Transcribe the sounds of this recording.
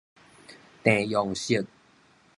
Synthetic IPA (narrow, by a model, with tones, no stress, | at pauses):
t̪ẽ˨jɔ˨˩ŋɕi˦˩˨t̪̚